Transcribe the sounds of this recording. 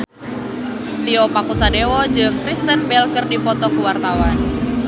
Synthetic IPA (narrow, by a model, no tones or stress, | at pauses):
t̪iɔpakusadewɔd͡ʒɨŋkɾist̪ənbɛlkərdipɔt̪ɔkuwart̪awan